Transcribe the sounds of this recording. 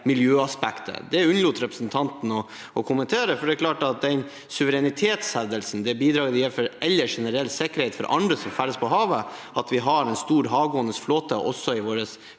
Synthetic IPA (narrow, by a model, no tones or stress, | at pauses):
mɪljøːɑspækt̪ʰə̰d̪ɛʉnəlʊt̪ɾɛpɾəsn̩t̪ʰɑnt̪n̩ɔ | ʔɔkʰʊmənt̪ʰeːɾəfɔɖɛækʰlɑːʈɑt̪̚d̪ɛɪn | sʉʋəɾɛnɪt̪ʰeːt̪shɛd̪əlsn̩d̪ɛbiːd̪ɾɑːɡəd̪jɛfɔɾɛlːəʂɛnəɾɛlsɛkəɾhɛɪt̪fɔ̰ɾʔɑ̰nd̪ɾəsɔmfæɾəspʰɔɦɑːʋəʔɑt̪ʋɪɦɑɾɛnst̪uːɾɦɑːʋɡoːənəsfloːt̪ə̰ʔɔ̰sːɔɪʋoːɾəs